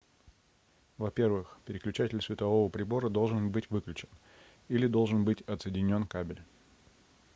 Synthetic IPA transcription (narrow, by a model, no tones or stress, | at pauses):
vɐpʲe̞rvɨxpʲɪɾʲɪklʲʉt͡ɕætʲɪlʲsvʲɪt̪ɐvo̞vəpɾʲɪbo̞ɾəd̪o̞lˠʐɨnbɨtʲvɨklʲʉt͡ɕɪn | ilʲɪd̪o̞lˠʐɨnbɨtʲɐt̪sɨjɪdʲɪnʲo̞nkabʲɪlʲ